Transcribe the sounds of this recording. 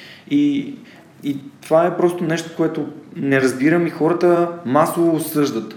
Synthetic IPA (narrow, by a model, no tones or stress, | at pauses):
i | it̪ovaɛpɾɔst̪onɛʃt̪o̥koɛt̪onɛɾɐzbiɾəmixɔɾət̪əmasovoːsɤʒd̪ət̪